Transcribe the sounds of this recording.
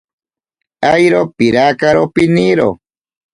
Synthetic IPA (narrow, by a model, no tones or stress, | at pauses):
ajɾopiɾakaɾopiniɾo̰